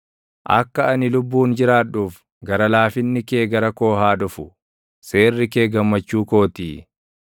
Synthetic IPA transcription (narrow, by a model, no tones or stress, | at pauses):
ʔɐ̰kːɐɐnɪlʊbːuːnd͡ʒɪɾaːᶑuːf | ɡɐɾɐlaːfɪnːɪkeːɡɐɾɐko̞ːɦaːᶑ̪ʊfʊ | se̞ːrːɪke̞ːɡɐmːɐt͡ʃːuːko̞ːt̪iː